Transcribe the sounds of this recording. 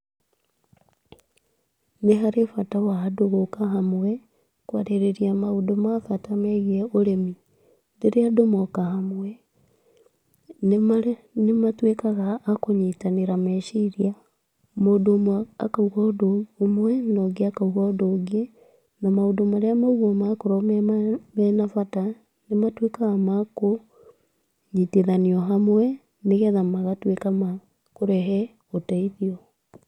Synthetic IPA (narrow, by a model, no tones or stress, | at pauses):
neɦaɾefatawaːdoɣokaɦamwe | kwa̰ɾeɾeɾiamaudomafatameɣeolemi | diɾeadomokahamwe | nematwekaɣaːkoɲitaniɾameʃiɾia | modomwa̰kauɣɔdoomwɛnɔɡeakauɣaɔdoɡe | namaodomaɾeamauɣɔmakoɾɔmmɛnafata | nematwekaɣamako | ɲiteðaniɔɦamwɛ | neɣɛðamaɣatwekama | koɾɛɦɛ | otaiðiɔ